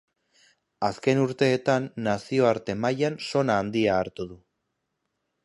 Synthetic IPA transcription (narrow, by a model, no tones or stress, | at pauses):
aske̞nuɾt̪e̞ːt̪anːasio̞aɾt̪e̞majanso̞naːnd̪iaːɾt̪uðu